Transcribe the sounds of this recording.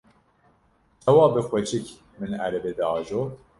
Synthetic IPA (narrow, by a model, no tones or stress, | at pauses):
t͡ʃʰɛwɑːbɨxʷɛt͡ʃʰɪk | mɨnæ̰ɾɛbeːd̪ɑɑːʒoː